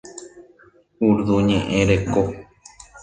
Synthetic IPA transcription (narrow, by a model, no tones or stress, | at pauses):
uɾðuɲẽʔẽɾeko